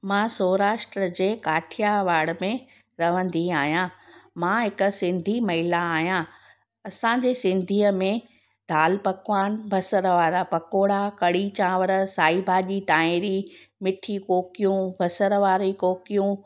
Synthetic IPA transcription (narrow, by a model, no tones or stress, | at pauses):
mãːsoːɾaːʃʈɾəd͡ʑeːkaːʈʰijaʋaːɽmẽ | ɾɐʋ̤ə̃nd̪iaːɦijãmãɦɪksɪ̃nd̪ʱimɐɦɪlaːɦijã | ɐsãːɲd͡ʑesɪ̃nd̪ʱiːəmẽ | d̪ʱaːlpɐkʋaːnbʱɐsəɾʋaːɾapɐkoːɽakɐɽit͡ɕãːʋəɾəsaːibʱaːʄit̪aːẽɾi | mɪʈʰikoːkijũbʱɐsəɾʋaːɾikoːkijũ